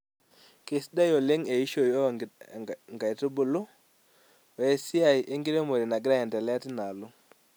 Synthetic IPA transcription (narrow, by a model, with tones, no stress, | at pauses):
ke˨sda˦jo˨le˦ŋe˨i˦ʃo˨jo˦ | ŋɡa˨i˨tu˦bʊ˨lʊ˦˨ | e˦si˦a˨jʔe˦ŋɡi˦ɾe˦mo˨ɾi˨na˨ɡɪ˦ɾa˦ɛ˨ndɛ˨lɛ˦a˦ti˦na˨lu˦